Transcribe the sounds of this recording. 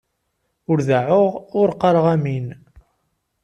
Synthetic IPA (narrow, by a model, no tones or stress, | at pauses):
ʊɾðaʕʊʁʊɾqəɾˤəʁæmin